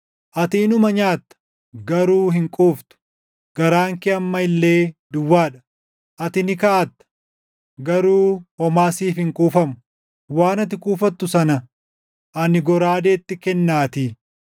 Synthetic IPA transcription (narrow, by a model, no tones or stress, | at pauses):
ʔɐt̪iːnʊmɐɲaːt̪ːɐ̥ | ɡɐɾuːɦɪŋkʼuːft̪ʊ̥ | ɡ̥ɐɾaːŋkɪɐmːɐɪlːe̞ːd̪ʊwːaːᶑɐ | ʔɐt̪ɪnɪkɐaːt̪ːɐ̥ | ɡɐɾuːhɔmaːsiːfhɪŋkʼuːfɐmʊ̥ | waːnɐt̪̬ɪkʼuːfɐt̪ːʊsɐnɐ | ʔɐnɪɡɔɾaːd̪eːt̪ːɪkɛnːaːt̪iː